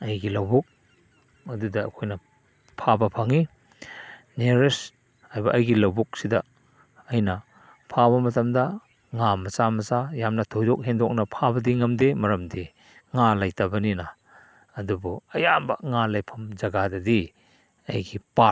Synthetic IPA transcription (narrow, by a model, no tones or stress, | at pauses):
ɐjɡilɐwbuk̚ | ɐdudɐ̰ːkʰojnɐ | pʰabɐpʰɐŋi | neɾes | ajbɐʔɐjɡilɐwbuk̚sidɐː | jnɐ | pʰaβɐmɐtɐmdɐ | ŋamɐsamɐsajamnɐtʰojdɔk̚ɦendɔk̚nɐpʰabɐdiŋɐmdemɐɾɐmde | ŋalajtabɐninɐː | dubuɐjambɐ̰ŋalajpʰɐmd͡ʒɐɡadɐdi | ɐjɡipa